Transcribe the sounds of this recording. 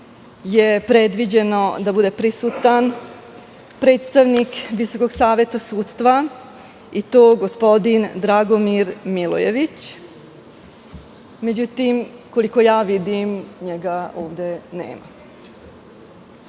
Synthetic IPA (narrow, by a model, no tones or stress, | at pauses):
jepɾe̞d̪ʋid͡ʑe̞no̞d̪abud̪e̞pɾisut̪an | pɾe̞ːt̪st̪aʋnikʋiso̞ko̞ɡsaːʋjet̪asuːt̪st̪ʋa | it̪oːɡospo̞d̪ind̪ɾaɡomiɾmilo̰jḛʋit͡ɕ | me̞d͡ʑut̪imko̞liko̞jaːʋid̪imɲeɡaoːʋd̪e̞nḛːma̰